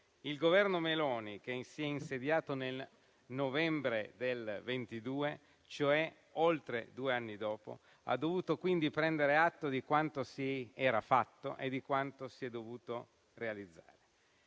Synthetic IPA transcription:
ilɡovɛrnomelɔːnik̟esiɛinsed̪jaːt̪onel | novɛmbɾed̪elvent̪id̪uːe | t͡ʃoɛ | olt̪ɾḛd̪uːeanːid̪ɔːpo̰ | a̰d̪ːovuːt̪okwind̪ipɾɛnd̪eɾeat̪ːod̪ikwant̪osiɛːɾafat̪ːo̰ʔed̪ːikwant̪osiɛd̪ovuːt̪o | realid̪zːa̰ːɾe

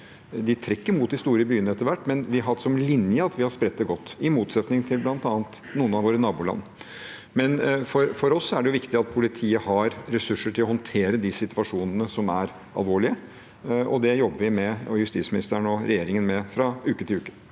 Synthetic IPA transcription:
d̪ɪt̪ʰɾɛkːəɾmuːt̪̚d̪ɪst̪uːɾəbyːənəɛt̪ːəɾʋæʈːmɛnʋɪɦɑsɔmlɪnjəɑt̪ʋɪhɑɾspɾɛt̪ːəɡɔt̪ːɪmuːt̪sɛt̪nɪŋt̪ʰɪlblɑnt̪ɑːnt̪ | nuːənɑʋoːɾənɑːbuːlɑ̰nː | mɛnfɔɾfɔɾɔsːɔæɖɛjʊʋɪkt̪ɪɑt̪̚pʰʊlɪt̪ʰiːəhɑɾɾɛsʉʂːəʈʰɪlɔhɔnt̪ʰeːɾəd̪ɪsɪt̪ʋɑʂuːnənəsɔmæɾ | ɑ̰lʋoːɭɪə | ɔd̪ɛjɔbːəʋɪmɛjʉst̪iːtsmɪnɪ̰st̪əɳɔɾɛjeːɾɪŋənmɛfɾɑʉːkət̪ɪlʉːkə̥

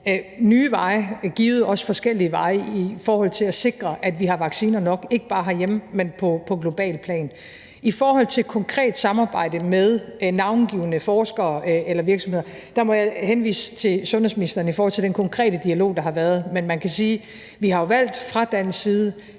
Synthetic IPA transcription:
nyːʋɑ̈ɪɡ̥iːʊð̞̩ˠɒ̽sfɒ̽sɡ̥el̰iʋɑ̈ɪifɒːhɒ̽l̰t͡sʰe̝læse̝ɡ̥ʁɐʔæd̥ʋiɦɑ̈ʋɑ̈ɡ̥siːnɐnɒ̽ɡ̥e̝ɡ̥əb̥ɑ̈ːɦɑ̈jemmenpʰɒ̽pʰɒ̽ɡ̥lo̝b̥ɛ̰ːlpʰlɛ̰ːn | ifɒːhɒ̽l̰t͡sʰe̝lkʰɒ̽ŋkʰʁɛ̰ːd̥sɑ̈mɑ̈ːb̥ɑ̈ɪ̰d̥əmeðˠnɑ̈ʊnɡ̥iːʊnəfɒːsɡ̥ɐːelɐʋiɐɡ̥smhe̝̰ɐ | d̥ɑ̈mɒ̽jɑɪhenʋḭːsə̥t͡sʰe̝sɔ̽nhesminisd̥ɐːnəifɔːhɒ̽l̰t͡sʰe̝d̥enkʰɒ̽ŋkʰʁɛ̰ːdəd̥iælo̝̰ːd̥ɑ̈ɦɑ̈ʋæːɐð̞ˠmenmænkʰæsiː | ʋihɑ̈jo̝ʋæl̰d̥fʁɑ̈d̥ænsiːðˠə

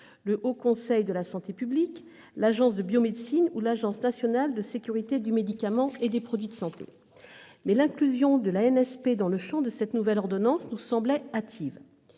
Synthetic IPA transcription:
ləʔokɔ̃sɛjd̪əlasɑ̃t̪epyblik | laʒɑ̃sd̪əbjomed̪sinulaʒɑ̃snasjɔnald̪əsekʲyʁit̪ed̪ymed̪ikamɑ̃ed̪epχɔd̪ɥid̪əsɑ̃t̪ḛ | mɛlɛ̃klyzjɔ̃d̪əlaɛnɛsped̪ɑ̃ləʃɑ̃d̪əsɛt̪nuvɛlɔʁd̪ɔnɑ̃snusɑ̃blɛat̪ʰiv

